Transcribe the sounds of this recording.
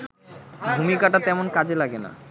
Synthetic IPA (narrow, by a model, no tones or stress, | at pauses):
bʱumikaʈat̪ɛmonkad͡ʑelaɡena̰